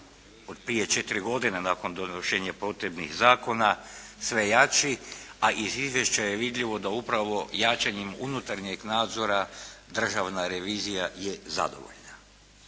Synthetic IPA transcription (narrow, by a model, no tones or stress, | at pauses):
od̪̥pɾije̞t͡ʃe̞t̪iɾiɡo̞d̪inenako̞nd̪onoʃe̞ːɲapo̞t̪ɾebnixzaːko̞nasʋe̞jat͡ʃiaʔizizʋje̞ʃt͡ɕajeʋid̪ʎiʋo̞d̪aupɾaʋo̞jaːt͡ʃaɲemunut̪aɾɲeɡnaːd̪zo̞ɾad̪r̩ʒaʋnaɾeʋiːzijajeza̰d̪o̞̰ʋo̞̰ʎna